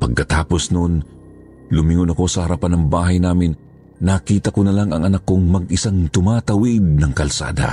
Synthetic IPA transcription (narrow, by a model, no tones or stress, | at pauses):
pɐɡ̚kɐt̪aːpo̞snon | lʊmɪŋonɐko̞sɐhɐɾɐpanɐŋbaːɦɐjnaːmɪnː | ɐkiːt̪ɐkonɐlaŋɐŋʔɐnakːoŋmɐɡɪsaŋt̪ʊmaːt̪ɐwɪd̪̚nɐŋkɐlsa̰ːd̪ɐ̰